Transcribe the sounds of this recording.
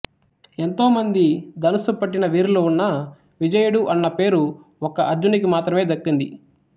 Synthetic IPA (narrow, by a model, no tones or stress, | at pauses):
e̞nt̪o̞ːmɐnd̪id̪ɐnusupɐʈːinɐʋiːɾlounːɐ | ʋid͡ʒɐjɐɽuʔɐnːɐpe̞ːɾu | ɔkɐʔɐɾd͡ʒunik̬imaːt̪ɾɐme̞ːd̪ɐkːind̪i